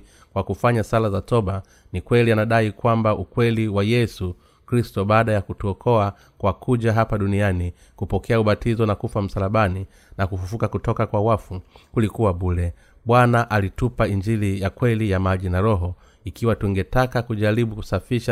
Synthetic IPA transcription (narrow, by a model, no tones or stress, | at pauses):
kwakufaɲasalazatɔɓa | nikwɛlianaɗaikwambaʔukwɛliwajɛsu | kɾistɔɓaːɗajakutuɔkʰɔa | kwakʰuʄaɦapaɗuniani | kupɔkʰɛauɓatizɔnakufam̩salaɓani | nakufufukakutɔkakwawafukulikuwaɓulɛ | ɓwanaʔalitupaiɲd͡ʒilijakwɛlijamaʄinaɾɔɦɔ | ikiwatuŋɡɛtakakuʄaɾiɓuku̥safiʃa